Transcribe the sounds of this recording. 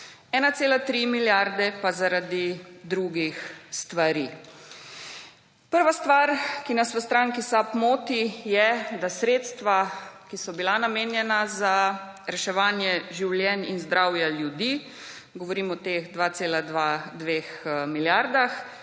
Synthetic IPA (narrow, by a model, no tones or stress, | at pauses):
ɛːnat̪seːlat̪ɾimiljaɾd̪ɛpazaɾad̪id̪ɾuɡixst̪ʋaɾi | pəɾʋast̪ʋaɾkinasʋəst̪ɾaːŋkisapmoːt̪ijɛd̪asɾeːt̪st̪ʋakisɔbilanameːnjɛnaza | ɾɛʃɛʋaːnjɛʒiwljɛninzd̪ɾawjaljud̪iː | ɡɔʋɔɾiːmɔt̪eːxd̪ʋaːt̪seːlad̪ʋad̪ʋeːxmiljaɾd̪ax